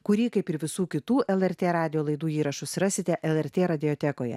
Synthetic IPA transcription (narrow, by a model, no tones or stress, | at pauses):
kʊɾʲiːkɐɪpɪɾʋʲɪsuːkʲɪt̪uːɛlˠɛɾʲt̪ʲeːɾɑːd̪ʲɪjoːlˠɐɪd̪uːiːɾɐʃʊsɾɑsʲɪt̪ʲɛʔɛlˠɛɾʲt̪ʲeːɾɐd̪ʲɪjoːt̪ʲɛkoːjɛ̰